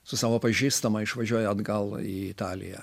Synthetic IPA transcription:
sʊsɑːʋoːpɐʒʲiːst̪ɐmɐɪʃʋɐʒʲuɔjɛɐd̪ɡɐlˠḭːɪt̪ɑːlʲɪ̰jɛ̰

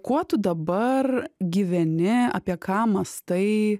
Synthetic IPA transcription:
kuɔt̪ʊd̪ɐbɐrɡʲiʋʲɛnʲɪɐ̰ːpʲiɛkʰɑːmɐst̪ɐɪ

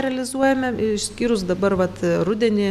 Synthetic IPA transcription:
ɾʲɛlʲɪzuɔjɛmʲɛʃsʲkʲiːɾʊsd̪ɐbɐrʋɐt̪rʊd̪ʲɛnʲɪ

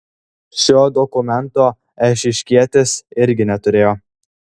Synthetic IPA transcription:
ʃʲoːd̪ɔkʊmʲɛnt̪oː | ɛʃʲɪʃʲkʲiɛt̪ʲɪsɪɾʲɡʲɪnʲɛt̪ʊɾʲeːjoː

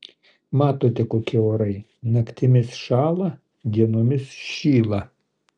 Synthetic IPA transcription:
mɑːt̪oːt̪ʲɛkoːkʲɪoːɾɐɪ | nɐkt̪ʲɪmʲɪsʃɑːlˠɐ | d̪ʲiɛnoːmʲɪsʃʲiːlˠɐ

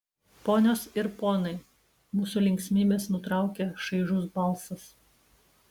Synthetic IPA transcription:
poːnʲoːsɪɾpoːnɐɪ | muːsulʲɛŋʲksʲmʲiːbʲeːsnʊt̪ɾɑˑʊkʲeːʃɐɪʒʊsbɐlˠsɐs

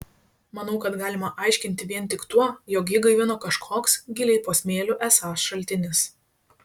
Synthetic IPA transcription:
mɐnɐʊkɐt̪ɡɑːlʲɪmɐʔɑˑɪʃʲkʲɪnʲt̪ʲɪʋʲiɛnʲˑt̪ʲɪkt̪uɔjoːkjɪɡɐɪʋʲɪnoːkɐʃkʰoːksɡʲɪlʲɛɪpoːsʲmʲeːlʲʊʔɛsɑːsʃɐlʲt̪ʲɪnʲɪs

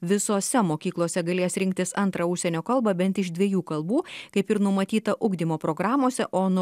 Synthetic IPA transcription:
ʋʲɪsoːsʲɛmoːkʲiːklˠoːsʲɛɡɐlʲeːsɾʲɪŋk̚t̪ʲɪsɐnt̪ɾɐʊʃʲsʲɛnʲoːkɐlˠbɐbʲɛnt̪ɪʃd̪ʲʋʲɛjuːkɐlˠbuːkɐɪpɪɾnʊmɐt̪ʲiːt̪ɐʔʊɡd̪ʲimoːpɾoːɡɾɑːmoːsʲɛʔoːnʊ

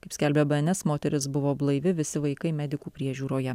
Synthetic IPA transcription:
kɐɪpsʲkʲælʲbʲɛbɐɛnʲɛsmoːt̪ʲɛɾʲɪsbʊʋoːblˠɐɪʋʲɪʋʲɪsʲɪʋɐɪkɐɪmʲæd̪ʲɪkuːpʲɾʲiɛʒʲuːɾoːjɛ

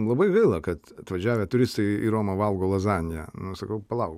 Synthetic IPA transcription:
lˠɐbɐɪɡɐɪlˠɐkɐt̪ɐt̪ʋɐʒʲæːʋʲet̪ʊɾʲɪst̪ɐɪiɾoːmɐʋɐlˠɡoːlˠɐzɑːnʲɪjɛnʊsɐkɐʊpɐlˠɐʊɡ

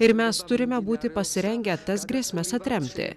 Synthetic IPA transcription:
ɪɾmʲɛst̪ʊɾʲɪmʲɛbuːt̪ʲɪpɐsʲɪɾʲɛŋʲɡʲɛt̪ɐsɡɾʲiːsʲmʲɛsɐt̪ʲɾʲɛmʲt̪ʲɪ̰

